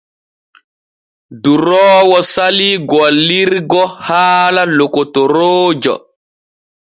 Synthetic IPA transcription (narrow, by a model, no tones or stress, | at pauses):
duɾɔːwɔsaliɡɔlːiɾɡɔhaːlalokotoɾoːd͡ʒɔ̰